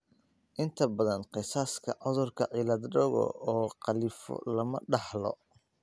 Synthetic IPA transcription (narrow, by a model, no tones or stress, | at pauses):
ʔɪnt̪ʰɐbɐðɐnqɪsaːskʰɐʕʊðʊrkʰɐʕilɐd̪ɖɔɣɔ̰ɔːqɑlifɔ̰lɐmɐɖɑħlɔ̰